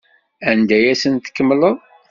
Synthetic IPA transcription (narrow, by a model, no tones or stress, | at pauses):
ænd̪æjæsənt̪ə̥kːəmːləðˤ